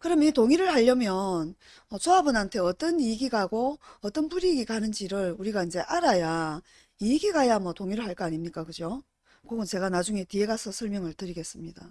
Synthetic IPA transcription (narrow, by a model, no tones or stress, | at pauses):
kɯɾʌmjʌnitoŋiɾɯɭhaʎːʌmjʌn | ʌt͡ɕoabunɦantʰe̞ʌt͈ʌniɡiɡaɡoʌt͈ʌnpuɾiɡiɡanɯnd͡ʑiɾɯɭuɾiɡaind͡ʑe̞ʔaɾaja | iɡiɡajamwʌtoŋiɾɯɭhaɭk͈ʌaɲimɲik͈akɯd͡ʑo | koɡɯnt͡ɕe̞ɡanad͡ʑuŋe̞tie̞ɡasʰʌsʰʌɭmjʌŋɯɭtɯɾiɡe̞s͈ɯmɲid̥a